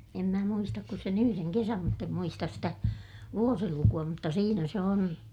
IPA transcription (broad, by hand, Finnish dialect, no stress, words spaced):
em mæ muistɑk ku sen yhyreŋ kesæm mutː em muistɑs stæ ʋuosilukuɑ mutːɑ siːnæ se on